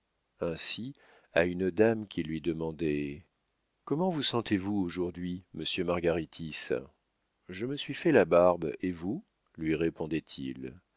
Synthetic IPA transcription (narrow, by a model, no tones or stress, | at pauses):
ɛ̃si | a̰ynəd̪amkʲilɥid̪əmɑ̃d̪ɛ | kɔmɑ̃vusɑ̃t̪evuoʒuʁd̪ɥiməsjømaʁɡaʁit̪ʰis | ʒəməsɥifɛlabaʁbevu | lɥiʁepɔ̃d̪ɛt̪ʰḭl